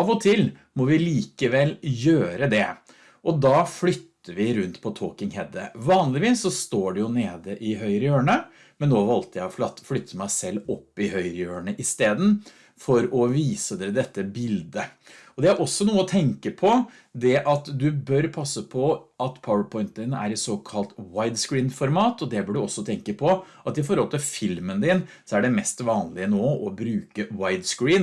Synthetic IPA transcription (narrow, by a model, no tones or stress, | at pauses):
ɑʋɔt̪ʰɪl | mɔʋɪliːkəʋɛlːjøːɾəd̪ɛ | ʔɔd̪ɑːflʏt̪ːəʋɪɾʉnt̪pʰɔt̪ʰoːkɪŋhɛd̪əʋɑːnlɪʋiːsːɔst̪oːɖɛjʊneːd̪əʔɪɦœʏɾəjøːɳə | mɛnːoːʋɑlt̪əjæɪɔflʏt̪ʰːəmæɪsɛlːɔpːɪhœʏɾəjøːɳəʔɪst̪eːd̪n̩ | fɔɾɔʋiːsəd̪eːɾəd̪ɛt̪ːəbɪld̪ə | ɔd̪ɛæɾʔɔsːɔnuːəɔt̪ʰɛŋkəpʰɔ | d̪ɛʔɑt̪d̪ʉbœɾpʰɑsːəpʰɔɑt̪pʰɑʊəpʰɔɪnt̪d̪ɪːnəʔæ̰ɾɛsoːkʰɑlt̪waɪd̪skɹiːnfɔɾmɑːt̪ɔd̪ɛbəɖʉɔsːɔt̪ʰɛŋkəpʰɔʔɑt̪ɪfɔɾhɔlt̪ʰɪlfɪlmənd̪ɪn | sɔæɖɛmɛst̪ʋɑːnlɪənoːɔbɾʉːkəwaɪd̪skɹiːn